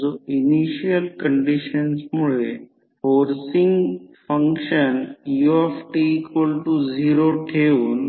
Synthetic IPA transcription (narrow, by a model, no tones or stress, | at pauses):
d͡zoiniʃiəlkəɳɖiɕənsmuɭe | foɾsiŋɡfəŋkʃənjuefʈiːkʋəlʈud͡ziɾoʈʰeuːn